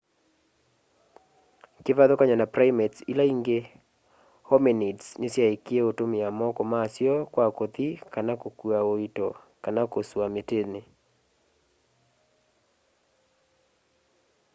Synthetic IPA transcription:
kɪvaðokaɲanapɾaimetsḭlaiŋɡe | hɔminidsnesjaekieotomɪamɔkɔmaːsjɔkwakot̪ikanakokuaoitɔ | kanakoswametene

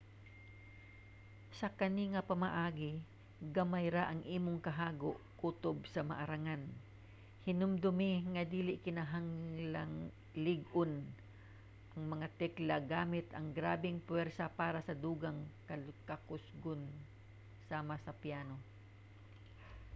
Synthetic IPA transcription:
sɐkɐniŋɐpɐmɐʔaːɡɪ | ɡɐmajɾaʔɐŋʔiːmoŋkɐɦaːɡoʔkuːt̪obsɐmɐ̰ʔaɾaŋan | hɪnʊmd̪ʊmɪŋɐd̪iːlɪʔkɪnɐɦaŋlaŋ | lɪɡʔʊn | ʔɐŋmɐŋat̪ɛklɐɡaːmɪt̪ʔɐŋɡɾaːbɪŋpwɛɾsɐpaːɾɐsɐd̪uːɡɐŋkɐkɐkʊsɡon | saːmasɐpjaːno̞

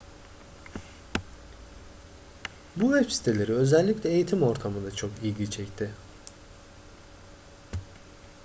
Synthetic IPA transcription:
buvɛpsi̥t̪ʰelʲe̞ɾiø̞zɛlʲːiclʲɛejit̪ʰimo̞ɾt̪ʰamɯnd̪at͡ʃʰo̞kijɟʲit͡ʃʰɛct̪ʰɪ

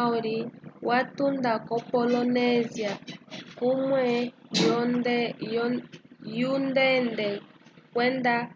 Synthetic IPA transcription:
ɔɾiwʔatundakɔpɔlɔnɛziakumwɛjɔ | jundɛndɛkwɛnda

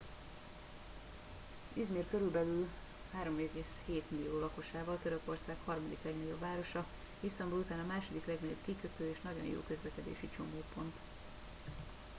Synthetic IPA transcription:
izmiːrkøɾylbɛlyl | haːɾo̞meːɡeːsheːt̪milijoːlɒko̞ʃaːvɒlt̪øɾø̞ko̞rsaːkhɒrmɒd̪iklɛɡnɒɟo̞bvaːɾo̞ʃɒ | ist̪ɒmbulut̪aːnɒmaːʃo̞d̪iklɛɡnɒɟobkikøt̪øːeːʃnɒɟo̞̰njo̰ːkø̞zlɛkɛd̪ḛːʃit͡ʃo̞moːpo̞nt̪

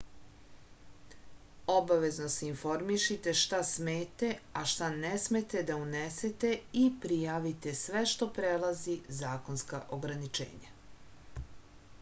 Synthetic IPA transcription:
o̞baʋe̞zno̞seinfo̞ɾmiʃit̪e̞ʃt̪asmeːt̪eaʃt̪anesmet̪e̞d̪auneset̪eipɾijaːʋit̪e̞sʋe̞ʃt̪o̞pɾelazizaːko̞nska̰ʔo̞ɡɾanit͡ʃḛːɲa̰

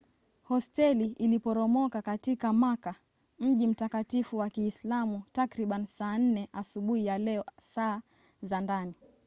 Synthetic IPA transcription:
hɔstɛliilipɔɾɔmɔkakatikamaka | m̩ʄim̩takatifuwakiːslamutakɾiɓanisaːn̩nɛʔasuɓuhijalɛɔsaː | zandani

